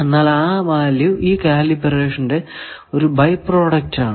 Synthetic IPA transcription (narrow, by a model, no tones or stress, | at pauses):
enːaːlaːmaːljuiːkaːlibereːʂɐnde̞o̞ɾubɐjpːro̞ːɽɐk̚taːɳ